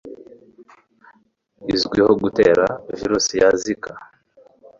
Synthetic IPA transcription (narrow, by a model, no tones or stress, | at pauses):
izɡwihoɡuteːɾaviɾusijazika